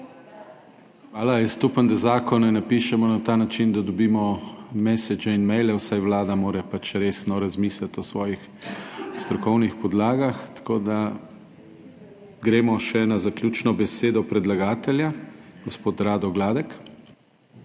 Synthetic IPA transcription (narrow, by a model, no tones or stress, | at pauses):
xʋaːlaist̪upənd̪ɛzaːkɔnɛnapiːʃɛmɔnat̪aːnat͡ʃind̪ad̪ɔbiːmɔmɛːsɛd͡ʒɛinmɛjlɛwsajʋlaːd̪amoːɾɛpat͡ʃɾeːsnɔɾazmiːslat̪ɔsʋɔːjix | st̪ɾɔkɔwnixpɔd̪laːɡaxt̪ḁkoːd̪a | ɡɾeːmɔʃɛnazaklʲuːt͡ʃnɔbɛseːd̪ɔpɾɛd̪laɡaːt̪ɛljaɡ̥ɔspoːt̪ɾaːd̪ɔɡlaːd̪ɛk